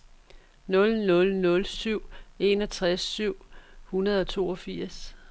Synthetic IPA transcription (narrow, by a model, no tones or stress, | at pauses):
nɔ̽lnɔ̽lnɔ̽lsyʊ̰e̝nɒ̽t͡sʰʁasːyʊ̰hunɐð̞ˠɒ̽t͡sʰo̝ːɒ̽fiɐ̰s